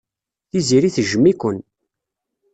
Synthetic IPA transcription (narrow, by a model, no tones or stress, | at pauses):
θiziɾiθʒəmːikʷən